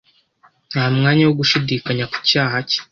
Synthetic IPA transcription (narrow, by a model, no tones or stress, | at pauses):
n̥aːmŋaːɲawoɡuʃidiːkaɲaku̥caːɦace̥